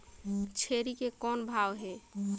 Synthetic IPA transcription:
t͡ʃʰeɾikekɔnbʱawɦe

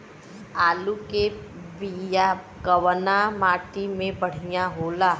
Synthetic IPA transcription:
aːlukebija | ɡɐwənamaːʈimẽpɐɽ̤ijaɦoːlaː

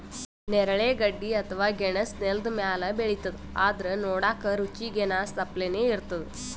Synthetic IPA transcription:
nɛɾɐɭeːɡɐɖːiɐt̪ʰɐʋaːɡɛɳɐsneld̪umjaːlɐbeɭit̪ːɐd̪uaːd̪ɐɾɐnɔːɽaːkɐɾut͡ʃiɡenaːsɐpleneːiɾt̪ɐd̪u

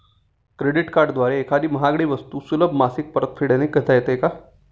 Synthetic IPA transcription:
kɾeɽiʈkaɾɖd̪ʋaɾeːkʰad̪iːməɦaɡɽiːʋəst̪uːsuləbʱmasik̚pəɾət̪fʰiɽenekət̪ajet̪eka

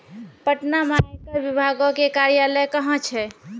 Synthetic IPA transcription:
pəʈnamanikəɾbibʱaɡokekaɾjaləjkəɦə̃t͡ʃʰɛ

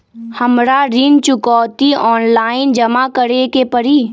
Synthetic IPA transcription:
həmɾaɾint͡ʃʊkɔːt̪iɔːnlaːɪnd͡ʒɐmakəɾekepəɾiː

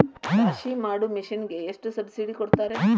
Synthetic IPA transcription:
kaʃimaːɽumiʃinɡe̞ːʂʈusɐbsiɖikoɽt̪aːɾe

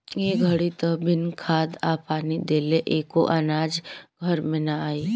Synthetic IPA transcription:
jeɡʱəɽit̪əbɪnkʰaːd̪aːpaːnid̪eːleʔeːkoʔanaːd͡ʒɡʱɐɾmẽnaaːiː

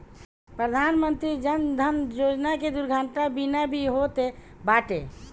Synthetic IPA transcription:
pɾəd̪ʱanmənt̪ɾid͡ʒənd̪ʱənjod͡ʒnaked̪uɾɡʱaɳʈabinabʱiɦot̪e | baʈe

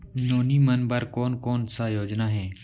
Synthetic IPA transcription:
noːnimənbəɾkɔːnkɔːnsajoːd͡ʒnaɦɛː

